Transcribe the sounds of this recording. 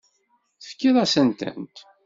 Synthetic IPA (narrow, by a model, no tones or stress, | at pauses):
θə̥fkːiðˤæsənt̪æ̰nt̪